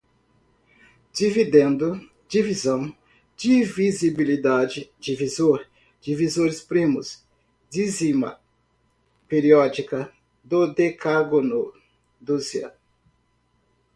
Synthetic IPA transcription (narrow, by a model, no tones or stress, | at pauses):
d͡ʒivid̪ẽnd̪ʊ | d͡ʒivizɐ̃w̃ | d͡ʒɪvizibilid̪ad͡ʒɪd͡ʒivizoɾ | d͡ʒivizoɾɪspɾĩmʊs | d͡ʒizimɐ̰ | peɾiɔd͡ʒikɐ | d̪od̪ekaɡono | d̪uziɐ̰